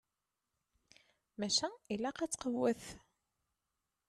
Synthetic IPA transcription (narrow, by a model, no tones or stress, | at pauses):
mæʃæilːæqɑt͡sːqəwːəθ